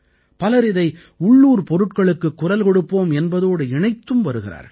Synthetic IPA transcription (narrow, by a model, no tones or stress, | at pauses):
pɐlɐɾɪðɐɪ | ʊɭːuːɾpɔɾɯʈkɐɭɯkːɯkːʊrɐlkɔɽɯpːoːmɛnbɐðoːɽɯɪɳɐɪt̪ːɯmʋɐɾɯɣɪra̰ːɾ